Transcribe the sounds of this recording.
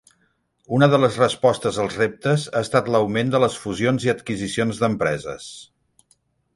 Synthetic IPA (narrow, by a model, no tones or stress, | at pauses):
unəðələzrəspɔst̪əzəlˠzrep̚t̪əzaəst̪at̪ləwmend̪ələsfuzionziət̪kizisionzðəmpɾɛzə̰s